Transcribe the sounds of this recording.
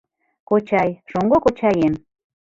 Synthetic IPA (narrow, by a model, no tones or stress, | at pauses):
kot͡ɕɑjʃoŋɡokot͡ɕɑjem